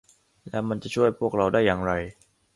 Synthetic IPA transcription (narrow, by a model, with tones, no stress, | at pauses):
lɛ˦˥wma˧nt͡ɕa˨˩t͡ɕʰu˥˩əjpʰu˥˩ək̚ɾa˧wdaː˥˩jːaː˨˩ŋɾa˧j